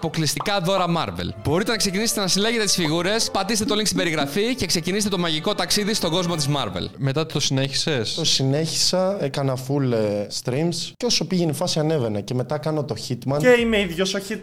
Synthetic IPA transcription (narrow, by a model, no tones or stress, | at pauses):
po̞klist̪ikɐðo̞ɾɐmɐɾve̞̰lbo̞ɾit̪enɐkse̞ciniset̪enɐsileʝe̞t̪et̪i̥sfiɣuɾe̞spɐt̪ist̪et̪oliŋkst̪ibe̞ɾiɣɾɐfice̞kseciniset̪t̪o̞mɐʝiko̞t̪ɐksiðist̪o̞ɡo̞zmo̞t̪izmɐ̰ɾvḛlme̞t̪ɐt̪ut̪osine̞çi̥se̞st̪o̞sine̞çi̥sɐekɐnɐfulst̪ɾimscoso̞piʝenifɐsiɐne̞ve̞nɐce̞me̞t̪ɐkɐnot̪o̞çit̪mɐneimeiðʝosoçit̪